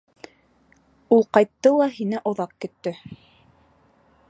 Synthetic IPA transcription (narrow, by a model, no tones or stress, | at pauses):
ulˠqɑjt̪ːɤlˠɑɦinɘʔŏðɑqkɵ̆t̪ːɵ